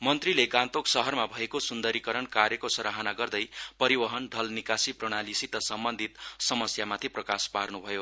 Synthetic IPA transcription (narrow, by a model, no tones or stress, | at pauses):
mʌnt̪rileɡãnt̪oksʌɦʌrmabʱʌekosund̪ʌɾikʌɾʌnkarjʌkosʌɾaɦʌnaɡʌrd̪ʌjpʌɾibʌɦʌnd̪ʱʌlnikasiproɽ̃alisit̪ʌsʌmbʌnd̪ʱit̪sʌmʌsjamat̪ʰiprʌkasparnubʱʌjo